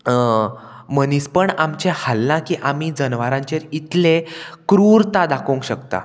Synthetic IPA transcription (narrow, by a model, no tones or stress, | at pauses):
məniːspəɳamt͡ɕehalnãkiːʔamid͡zənʋaɾãɲt͡ɕeɾit̪lekɾuːɾt̪ad̪akʰoŋkɕəkt̪a̰